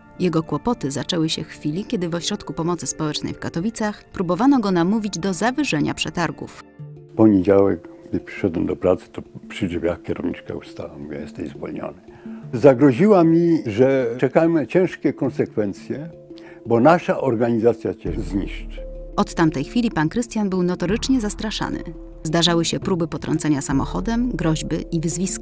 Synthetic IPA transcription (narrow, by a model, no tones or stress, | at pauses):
jɛɡɔkwɔpɔt̪ɘzat͡ʂɛwɘɕɛfxfʲilʲikʲɛd̪ɘvɔɕɾɔt̪kupɔmɔt̪sɘspɔwɛt͡ʂnɛ̰jfkat̪ɔvʲit̪saxpɾubɔvanɔɡɔnamuvʲid͡ʑd̪ɔzavɘʐɛɲapʂɛt̪aɾɡṵfpɔɲed͡ʑawɛ̰kɡd̪ɘpʂɘ̥ʂɔd̪wɛmd̪ɔpɾat̪sɘ̥t̪ɔpʂɨʐɛvʲjakkʲɛɾɔ̰vɲḭt͡ʂka̰ṵst̪a̰wamuvʲjɛ̰jɛst̪ɛjzvɔ̰lɲɔ̰nɘzaɡɾɔʑiwamʲiʐɛt͡ʂɛkamɘt͡ɕɛ̃ʂkʲɛkɔnsɛkfɛnt̪sʲjɛ | bɔnaʂaʔɔɾɡaɲizat̪sʲjat͡ɕɛzɲiʂt͡ʂɨ̥ʔɔt̪ːamt̪ɛjxfʲilʲipankɾɘst̪janbɘwnɔt̪ɔɾɘt͡ʂɲɛzast̪ɾaʂa̰nɘ̰ | zd̪aʐawɘɕɛpɾubɘpɔt̪ɾɔ̰nt̪sɛɲasamɔxɔd̪ɛmɡɾɔʑbɘʔivɘzvʲiskḁ